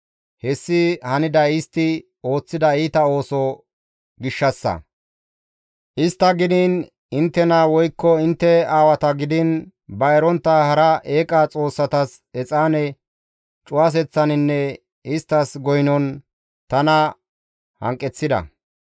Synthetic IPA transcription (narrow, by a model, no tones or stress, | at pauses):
hɛsːɪhɐnɪd̪ɐɪst̪ɪ | o̞ːt͡sːɪd̪ɐiːt̪ɐo̞ːsɔ | ɡɪʃːɐsːɐ̰ | ʔɪst̪ːɐɡɪd̪ɪn | ɪnt̪ːɛnɐwɔjkːɔɪnt̪ːɛaːwɐt̪ɐɡɪd̪ɪn | bɐɛɾɔnt̪ːɐhɐɾɐʔeːkʼɐt͡sʼo̞ːsːɐt̪ɐs | ɛt͡sʼaːnɛ | t͡ʃʼʊwas̬ɛt͡sːɐnɪnːɛ | ɪst̪ːɐsɡɔjnɔn | t̪ɐnɐ | hɐ̰ŋkʼːɛt͡sːɪd̪ɐ̰